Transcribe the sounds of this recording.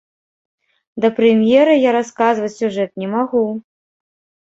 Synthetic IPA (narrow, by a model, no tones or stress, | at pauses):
d̪ɐpɾɛmʲjɛɾɐjaɾaskazvɐt͡sʲsʲuʐɛt̪̚nʲɛmaɣu